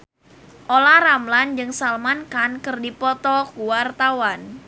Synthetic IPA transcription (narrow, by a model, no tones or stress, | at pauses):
ʔolaɾamland͡ʒɨŋsalmankankɨrdipɔt̪ɔkuwart̪awan